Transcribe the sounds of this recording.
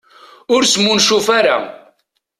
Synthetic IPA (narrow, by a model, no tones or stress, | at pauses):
ʊɾsmunʃufaɾa̰